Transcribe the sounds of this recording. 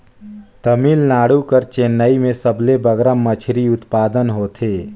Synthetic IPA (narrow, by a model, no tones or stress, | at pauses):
t̪əmiːlnaːɽukəɾt͡ʃeːnːaːimẽsəblebəɡɾamət͡ʃʰɾiʊt̪paːd̪ənɦoːt̪ʰeː